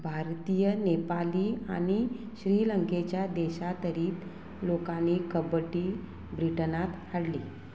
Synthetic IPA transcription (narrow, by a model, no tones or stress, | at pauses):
bʱaɾt̪ijənepaliːañi | ɕɾiləŋket͡ɕjad̪eɕat̪əɾiːt̪ | lokanikəbəʈiː | bɾiʈənat̪haɽliː